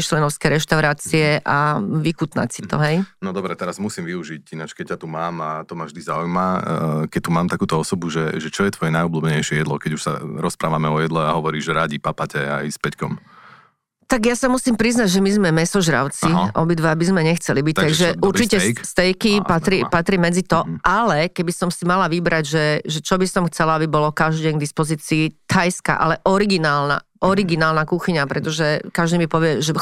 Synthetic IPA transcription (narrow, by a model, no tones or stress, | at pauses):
t͡ʃlɛnɔʊskɛɾɛʃt̪aʊɾaːt͡siɛʔaʋikut̪na̰csit̪ɔ̰ɦɛjnɔd̪ɔbɾɛt̪ɛɾazmusiːmʋiuʒicinat͡ʃkɛc̚cːat̪umaːmat̪ɔmavʒd̪izaujmakɛc̚t̪umaːmt̪akuːt̪ɔɔsɔbuʒɛʒɛt͡ʃɔjɛt̪ʋɔjɛnajɔbluːbɲɛjʃɪɛjɛd̪lˠɔ̰kɛɟuʃsa̰ɾɔspɾaːʋamɛɔjɛd̪lɛaɦɔʋɔɾiːʒɛɾaɟipapacɛ̰a̰jspɛckɔ̰m | t̪aɡjasamusiːmpɾiznaɟʒɛmizmɛmɛsɔʒɾa̰ʊt͡siʔɔ̰bid̪ʋabizmɛɲɛxt͡sɛlibic̚t̪t̪aɡʒɛuɾt͡ʃicɛkst̪ɛjkipat̪ɾipat̪ɾimɛd͡zit̪ɔʔalɛkɛbisɔmsimalaʋibɾaɟʒɛʒɛt͡ʃɔbisɔmxt͡sɛlaabibɔlɔkaʒdɛnɡd̪ispɔziːt͡siːt̪ʰajska̰ʔa̰lɛʔɔɾiɡinaːlna̰ʔɔɾiɡinaːlnakuxiɲapɾɛt̪ɔʒɛkaʒd̪imipɔʋɪɛʒɛ